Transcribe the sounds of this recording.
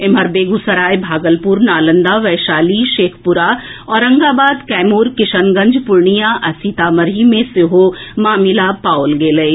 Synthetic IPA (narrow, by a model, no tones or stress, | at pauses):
emɦɐɾbeːɡusɐɾaːjbʱaːɡəlpuːɾnaːlə̃nd̪aʋɛːʃaːliʃeːkʰpʊɾaɔːɾɐ̃ŋɡaːbaːd̪kɛːmuːɾkɪʃənɡɐ̃ɲd͡ʒpʊɾɳijaʔɐsit̪aːmɐɾimẽseɦomaːmɪlapaːʊlɡeːlɐ